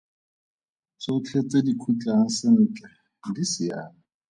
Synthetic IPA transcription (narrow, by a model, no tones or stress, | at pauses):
soʊt͡ɬʰet͡sʼedikʰut͡ɬʼaŋ̩sɪn̩ːt͡ɬʼa | disɪaːna